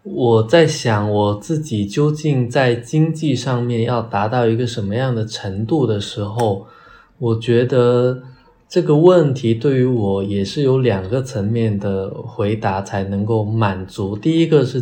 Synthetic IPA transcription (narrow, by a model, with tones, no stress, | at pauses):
wɔ˨˩t͡sa˥˩ɪɕjɑ˨˩˦ŋwɔ˨˩t͡sɹ̩˥˩t͡ɕi˨˩t͡ɕjo˥ʊt͡ɕi˥˧ŋt͡sa˥˩ɪt͡ɕi˥ŋt͡ɕi˥˧ʂɑ˥˧ŋmjɛ˥˧njɑ˥˩ʊt̪a˧˥t̪ɑ˥˩ʊi˧˥ɡə˧ʂə˧˥nmə˧jɑ˥˩ŋd̪ə˩ʈ͡ʂʰə˧˥ŋt̪u˥˩d̪ə˩ʂɻ̩˧˥xo˥˧ʊ | wɔ˨˩t͡ɕɥɛ˧˥d̪ə˧ | ʈ͡ʂɤ˥˩ɡə˩wə˥˩nt̪ʰi˧˥t̪we˥˩ɪy˧˥wɔ˨˧˩jɛ˨˩ʂɻ̩˥˩jo˧˥ʊljɑ˨˩ŋɡə˧˦t͡sʰə˧˥ŋmjɛ˥˩nd̪ə˩xwe˧˥ɪt̪a˧˥t͡sʰa˧˥ɪnɤ˧˥ŋko˥˩ʊma˨˩nt͡su˧˥t̪i˥˩i˥ɡə˧ʂɻ̩˥˩